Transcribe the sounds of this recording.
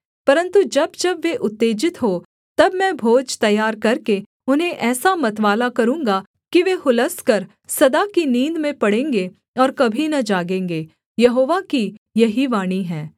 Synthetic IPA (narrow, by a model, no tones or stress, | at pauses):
pɐɾə̃nt̪ud͡ʒɐbd͡ʒɐbʋeʔʊt̪ːeːd͡ʒɪt̪ɦoː | t̪ɐbmɛ̃bʱoːd͡ʒt̪ɐjːaːɾkɐɾke | ʊnɦẽʔɛːsamɐt̪ʋaːlakɐɾũːŋɡa | kiʋehʊləskɐɾ | sɐd̪akinĩːnd̪mẽpɐɽẽːŋɡe | ɔːɾkɐbʱinɐd͡ʒaːɡẽːŋɡeː | jɐɦoːʋakijɐɦiʋaːɽ̃iɦɛ̃ː